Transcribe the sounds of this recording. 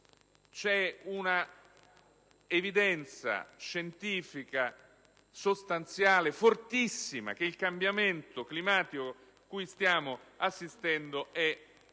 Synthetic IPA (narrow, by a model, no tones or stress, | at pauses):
t͡ʃɛuna | evid̪ɛnt̪sa̰ʃent̪iːfika | sost̪ant̪sjaːlefort̪isːima̰k̟eilkambjament̪oklimaːt̪iko | kujst̪jaːmoasːist̪ɛnd̪oʔɛ